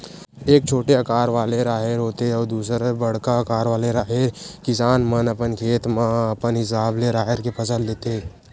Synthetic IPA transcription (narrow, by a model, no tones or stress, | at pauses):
eːk̚t͡ʃʰoːʈeɐkaːɾʋaːleɾaːɦeɾɦoːt̪eɔːɾd̪uːsɾebəɽ̤kaɐkaːɾʋaːleɾaːɦeɾkɪsaːnmənəpənkʰeːt̪maəpənɦɪsaːbleɾaːɦeɾkepʰəsəlleːt̪e